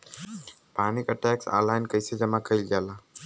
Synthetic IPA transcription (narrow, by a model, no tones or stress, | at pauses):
paːnikəʈɛːksa̰ːɾlaɪnkəjsed͡ʒəmakəɪlɡjaːlaː